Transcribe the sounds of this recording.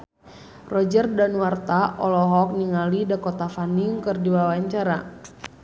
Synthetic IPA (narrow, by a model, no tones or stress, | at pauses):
rɔd͡ʒərdanuwart̪aʔɔlɔɦɔk̚niŋalidakɔt̪afaniŋkɨrdiwawaɲt͡ʃaɾa